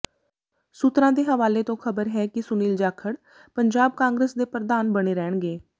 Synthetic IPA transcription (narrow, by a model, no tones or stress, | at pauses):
suːt̪ɾãːd̪eːɦəʋaːleːt̪õːkʰəbəɾɦɛːkɪsʊniːld͡ʒaːkʰəɽ | pəɲd͡ʒaːb̚kãːŋɡɾeːsd̪eːpɾəd̪aːnbəɽeːɾɛːɳɡeː